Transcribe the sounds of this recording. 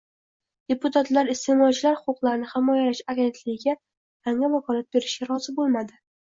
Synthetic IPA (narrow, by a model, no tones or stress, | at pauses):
d̪̥e̞pʊt̪ʰat̪laɾɪst̪emɒjt͡ʃʰlaɾhʊqʰʊqlˠaɾnɪhɪmɒjalaʃaɡʲe̞nt̪lɪɡʲɪɡʲa | jaŋavakʰɒlˠat̪̚be̞ɾɪʃɡʲaɾɒz̥ɪbolˠmad̪ɪ